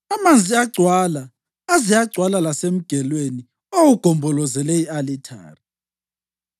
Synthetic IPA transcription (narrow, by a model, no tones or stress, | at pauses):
amand͡zʱiaɡ͡ǀʱwalaː | zijaɡ͡ǀʱwalalasem̩ɡ̥ʱɛlweni | owuɡ̥ʱɔmbʱɔlɔzɛlɛialitʰa̰ːri